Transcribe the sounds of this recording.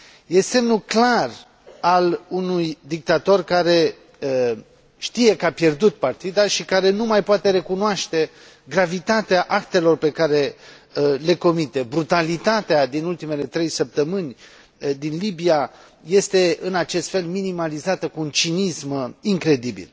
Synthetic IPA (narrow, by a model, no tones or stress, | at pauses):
je̞se̞mnuklar | alunujd̪ik̚t̪at̪o̞rkaɾe̞ | ʃt̪ije̞kapje̞rd̪ut̪̚part̪id̪aʃikaɾe̞numajpoat̪e̞ɾe̞kunoaʃt̪e̞ | ɡɾavit̪at̪eaʔak̚t̪e̞lo̞rpe̞kaɾe̞ | le̞ko̞mit̪e̞bɾut̪alit̪at̪ead̪inult̪ime̞le̞t̪ɾe̞jsəp̚t̪əmɨnʲ | d̪inlibija | je̞st̪e̞ɨnat͡ʃe̞st̪fe̞lminimalizat̪əkuːnt͡ʃinismiŋkɾe̞d̪ibḭl